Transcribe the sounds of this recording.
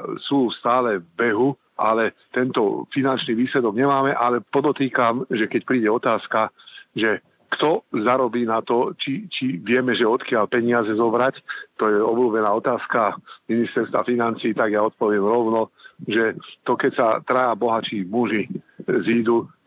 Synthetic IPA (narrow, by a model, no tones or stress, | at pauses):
suːst̪aːlɛvbɛɦu | a̰lɛ | t̪ɛnt̪ɔfinant͡ʃniːʋiːslɛd̪ɔɡɲɛmaːmɛʔalɛpɔd̪ɔt̪iːkamʒɛkɛc̚pɾiːɟɛɔt̪aːskaʒɛ | kt̪ɔzaɾɔbiːnat̪ɔt͡ʃit͡ʃiʋɪɛmɛʒɛɔt̪kɪalpɛɲɪazɛzɔbɾact̪ɔjɛɔbluːbɛnaːɔt̪aːskaminist̪ɛɾst̪ʋa̰finant͡siːt̪aɡjaɔt̪̚pɔʋɪɛmɾɔʊnɔʒɛt̪ɔkɛcsat̪ɾajabɔɦat͡ʃiːmuʒiziːd̪u